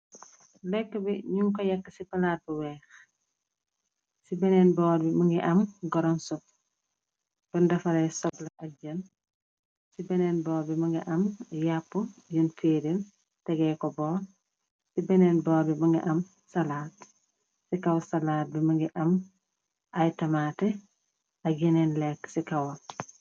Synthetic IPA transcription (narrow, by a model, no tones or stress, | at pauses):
lɛkːəbiɲuŋkɔjɐkːəsipɐlat̚buwɛːx | sibɛnɛnbɔːɾbimɐŋɡiʔɐmɡɔɾɔnsɔp̚ | b̥ɐndɐfɐɾɛsɔblɐʔɐɟɐn | sibɛnɛːnbɔːɾbimɐŋɡḭʔɐmjapːujuntʰeɾin | tɛɡɛkɔbɔːɾ | sibɛnɛnbɔːɾbimiŋɡɛ̰ʔam | salaːt | sikawsalaːt̚bɛmaŋɡɛʔam | ʔajtamaːtɛ | aɡinɛnlɛkːsikaw